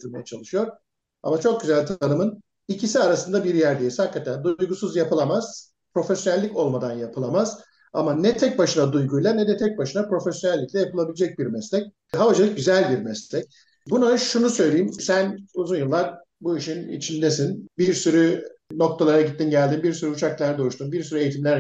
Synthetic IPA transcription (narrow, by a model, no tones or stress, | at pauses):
uɾma̰jat͡ʃʰalˠɯʃɯjo̞ɾ | a̰mat͡ʃʰo̞k̚ɟyzælʲt̪ʰanɯmɯn | icʰisiaɾasɯnd̪abiɾjæɾd̪ejishakːat̪ʰænd̪ujɡusuzjapʰɯlˠamaz̥ | pʰɾo̞fɛsjo̞nɛlʲːico̞lˠmad̪anjapʰɯlˠamaz̥ | a̰manɛt̪ʰɛc̚baʃɯnad̪ujɡujlˠanɛd̪ɛt̪ʰɛc̚baʃɯnapɾo̞fɛsjo̞nɛlʲːiclʲɛjapɯlˠabilʲed͡ʒɛc̚biɾmɛslʲɛc̚ | ɦavad͡ʒalˠɯk̚ɟyzælʲbiɾmɛslʲɛc̚ | bunaʃunusø̞jlʲejimsænuzunjɯlˠːaɾ | buiʃinḭt͡ʃʰind̪esinbiɾsyɾyno̞k̚t̪ʰalˠaɾaɟit̪ːinɟælʲd̪imbiɾsyɾyut͡ʃʰaklˠaɾd̪ouʃt̪umbiɾsyɾyejit̪ʰimlʲæɾ